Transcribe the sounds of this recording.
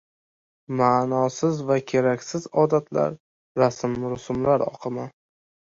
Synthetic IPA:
maːnɒsɪzvakʲʰe̞ɾakʲsɪzɒd̪at̪ʰla̰ɾː | asmɾʊsʊmlaɾɒ̰qʰɨma

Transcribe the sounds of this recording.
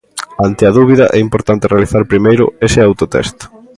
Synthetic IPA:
ant̪ɪɐðuβ̞iðɐʔɛimpoɾt̪ant̪ɪrealiθaɾpɾimejɾʊ̰esɪawt̪ʊt̪ɛ̰st̪ʊ̥

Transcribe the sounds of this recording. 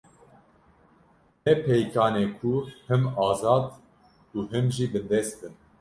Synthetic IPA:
nɛpʰɛjkʰɑːneːkʰuhɨmɑːzɑːd̪ | uːɦɨmʒibɨnd̪ɛst̪b̪ɨn

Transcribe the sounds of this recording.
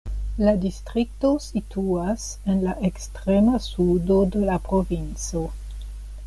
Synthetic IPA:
ladistʁik̚tositʰuas | enlaʔekstʁemasudodelapɾovint͡so̞

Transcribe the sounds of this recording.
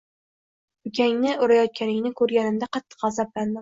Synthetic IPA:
kʲʰaŋnɪʔʊɾajɒt̪̚kʲʰanɪŋnɪkʰɵɾɡʲanɪmd̪aqʰɑt̪ʰːɨ̥qɑzabland̪ɪm

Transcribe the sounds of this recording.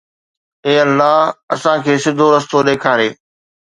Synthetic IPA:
eːɐlːaːɦɐ̰sãkʰeːsɪd̪ʱoɾɐst̪oɗeːkʰaːɾeː

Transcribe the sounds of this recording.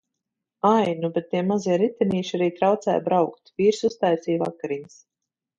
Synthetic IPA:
ajnubɛt̪̚ːiɛmaziɛɾit̪ɛniːʃaɾiːt̪ɾawt̪sɛ̰ːjbɾawkt̪viːɾsust̪ajsiːvakaɾiɲs

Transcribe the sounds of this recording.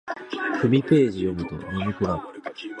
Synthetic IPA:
kɯ̟mʲipe̞ːʑijo̞mɯ̟t̪o̞̰nimʲikɯ̟ɾa

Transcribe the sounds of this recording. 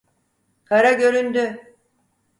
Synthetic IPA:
kʰaɾaɟø̞ɾynd̪y

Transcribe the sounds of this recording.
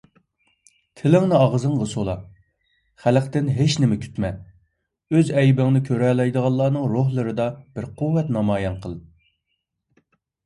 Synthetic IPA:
t̪ʰɪlɪŋnɨɑʁzɨŋʁəsolˠɑ | χælqt̪ɪnɦeʃnɪmɛkʲʰy̥t̪mɛ | øzɛjbɪŋnɪkʲʰøɾɛlˠɑjd̪əʁɑlˠːɑːnɨŋɾoɦlˠɨɾɨd̪ɑb̥ɪɾquwːɛt̪nɑmɑːjɑnqʰəlˠ

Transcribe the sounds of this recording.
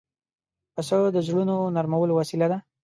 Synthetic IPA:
pəsəd̪əzɽunonaɾmawəlowasilad̪a

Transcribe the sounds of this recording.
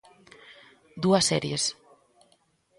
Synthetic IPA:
d̪uasːɛɾjes

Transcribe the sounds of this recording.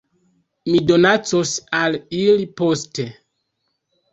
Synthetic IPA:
mido̞nat͡sosaliliposte

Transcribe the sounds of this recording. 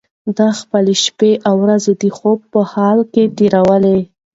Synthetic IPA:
d̪ɑxpəleʃpeʔawɾazed̪əxob̚pəhɑlket̪eɾawəle

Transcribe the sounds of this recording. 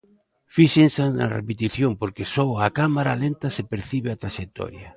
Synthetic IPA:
fiʃensana̰rḛpet̪iθjompoɾkesɔakamaɾalent̪ɐsepeɾθiβeat̪ɾaʃek̚t̪ɔ̰ɾja

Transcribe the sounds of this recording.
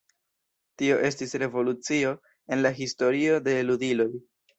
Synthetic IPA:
tio̞ʔe̞stisɾe̞vo̞lut͡sio̞ | e̞nlaɦisto̞ɾio̞de̞ludilo̞j

